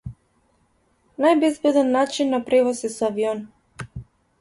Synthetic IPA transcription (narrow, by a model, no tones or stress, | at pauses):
najbɛzbɛd̪anːat͡ʃinːapɾɛvɔsisɔaviɔn